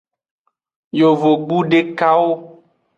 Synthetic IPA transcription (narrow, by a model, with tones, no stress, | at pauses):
jo˨vo˨ɡ͡bu˦ɖe˦ka˦wo˦